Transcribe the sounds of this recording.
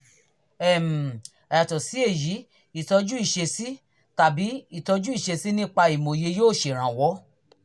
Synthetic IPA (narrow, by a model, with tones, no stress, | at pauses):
ɛ˦˨m̩̃˨ | ɛ˨tɔ˨si˨˦e˦˨ji˨˦ | i˦˨tɔ˧d͡ʒu˦i˦˨ʃe˧si˦ | ta˨bi˨˦i˦˨tɔ˧d͡ʒu˦i˦˨ʃe˧si˦nĩ˦k͡pa˧i˨mõ˨je˧joː˦˨ʃe˨ɾ̃ã˨wɔ˨˦